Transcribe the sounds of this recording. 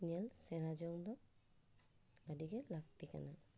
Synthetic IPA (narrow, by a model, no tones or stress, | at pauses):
nɛlsɛnad͡ʒɔŋd̪ɔ | adiɡɛlak̚t̪ika̰na